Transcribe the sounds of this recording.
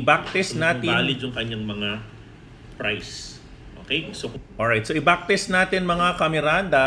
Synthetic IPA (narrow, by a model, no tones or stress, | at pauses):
bak̚t̪ɪsnaːt̪ɪaːlɪjʊŋkɐɲaŋmɐŋa | pɾajs | ʔoːkejsokʔoɹajt̪̚soʔɪbak̚t̪ɪsnaːt̪ɪnmɐŋakɐmɛɾand̪ɐ